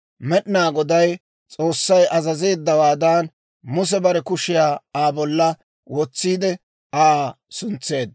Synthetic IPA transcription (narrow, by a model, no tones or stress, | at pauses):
mɛɗɪnaːɡɔd̪ɐj | t͡sʼoːsːɐjʔɐzɐze̞ːd̪ːɐwaːd̪aːn | mʊs̬ɛbɐɾɛkʊʃɪjaːaːbɔlːɐ | wɔt͡sːiːd̪ɛ | aː | sʊnt͡sːe̞ːd̪̚